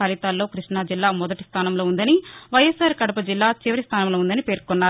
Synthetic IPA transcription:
ɐlit̪aːlːo̞ːkɾiʂɳaːd͡ʒilːaːmɔd̪ɐʈist̪ʰaːnɐmloːund̪ɐniʋɐjːɐsaːɾkɐɽɐpɐd͡ʒilːaːt͡ʃiʋɐɾist̪ʰaːnɐmloːund̪ɐnipe̞ːɾkɔnːaː

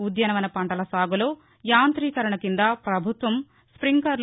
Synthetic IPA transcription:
ud̪jɐnɐmʋɐnɐpɐɳʈɐlɐsaːɡɐloː | jaːnt̪ɾiːkɐɾɐɳɐkind̪apɾɐbʱut̪ʋɐm | spɾiŋkɐɾl

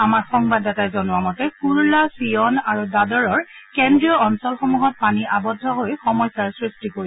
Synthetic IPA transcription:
amaɹxɔŋbadɛtajzɔnʊwamɔtɛkuɹulasiɔnaɹudadɔɹɔɹkendɹijɔɔnsɔlxɔmuɦɔt̚paniʔabɔdʱːɔɦojxɔmɔjsaɹsɹistikoɹi

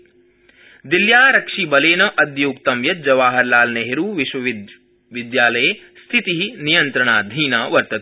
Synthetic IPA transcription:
d̪iljaːɾɐkʂibɐleːnɐʔɐd̪juːkt̪ɐmjɐt̪̚d͡ʒɐʋaːɦɐɾlaːlneɦeɾuːʋiʃʋɐʋ | ʋid̪jaːlɐje | st̪ʰit̪iɦinijɐnt̪ɾɐɳaːd̪ʱiːnaːʋɐɾt̪ɐ

